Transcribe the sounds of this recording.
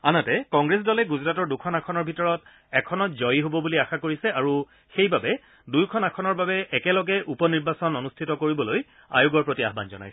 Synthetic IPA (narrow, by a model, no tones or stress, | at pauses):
anatɛkɔ̃ŋɡɹes̬dɔlɛɡuzɹatɔɹdukʰɔnakʰɔnɔɹbʱitɔɹɔt | ɛkʰɔnɔtzɔjiɦobɔbuliaxakoɹisɛaɹu | xejbabɛ | dujkʰɔnakʰɔnɔɹbabɛʔɛkɛlɔɡɛʔupɔniɹbasɔnonustʰitɔkoɹibɔloj | a̰jʊɡɔɹpɹotia̰ɦba̰nzɔ̰na̰jsɛ̥